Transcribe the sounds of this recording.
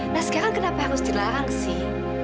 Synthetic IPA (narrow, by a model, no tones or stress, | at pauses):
naskaɾankənapakʊsd̪̥i̤laɾaŋsi